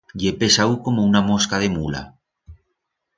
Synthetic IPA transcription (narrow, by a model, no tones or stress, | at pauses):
ʎepesauko̞mounamoskaðemula̰